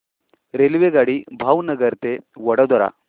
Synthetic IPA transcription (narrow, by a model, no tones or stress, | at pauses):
ɾelʋeɡaːɽibʱaːwnɐɡɐɾt̪ewɔɽɐd̪ɔɾa̰